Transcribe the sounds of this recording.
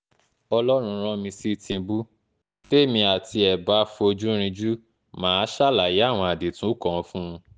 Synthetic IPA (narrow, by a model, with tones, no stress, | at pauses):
ɔ˧lɔ˦ɾ̃ũ˧ɾ̃ɔ̃˦mĩ˧si˦˨tĩ˧bu˦ | te˦˨mĩ˧a˨ti˧ɛ˨ba˦fo˧d͡ʒũ˦ɾ̃ĩ˧d͡ʒu˦ | mãː˨˦ʃa˦˨la˨ji˨˦a˦˨w̃ɔ̃˧a˨de˨tũ˨˦kɔ̃˨˧fũ˦˧